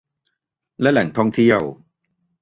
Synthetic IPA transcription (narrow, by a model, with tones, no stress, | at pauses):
lɛ˦˥lɛ˨˩˦ŋt̪ʰɔ˥˩ŋt̪ʰi˥˩əw